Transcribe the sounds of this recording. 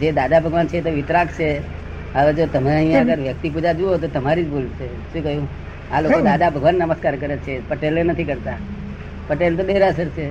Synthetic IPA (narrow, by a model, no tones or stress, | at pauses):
d͡ʒed̪ad̪abʱəɡʋant͡ʃʰet̪oʋɪt̪ɾakt͡ʃʰe | əʋed͡ʒot̪əmaaɦĩãəɡəɾʋjək̚t̪ipud͡ʒad͡ʒuot̪ot̪əmaɾid͡ʒbʱolʃe | ʃũkəɦjũ | alokod̪ad̪abʱəɡʋanːəməskaɾkəɾet͡ʃʰepəʈelenət̪ʰikəɾt̪a | pəʈelt̪̬ob̪eɾəsəɾt͡ʃʰe